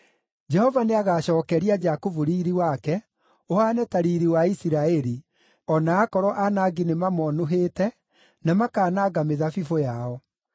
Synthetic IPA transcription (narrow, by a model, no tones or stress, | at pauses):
d͡ʒɛhɔvaneaɣaːɕɔːkɛɾiad͡ʒakovuɾiːɾiwakɛ | ohaːnɛtaɾiːɾiwaisiɾaɛɾi | ɔnaːkɔɾɔʔanaːɡinemamɔnoɦeːtɛ | namakaːnaːɡameðafifojaɔ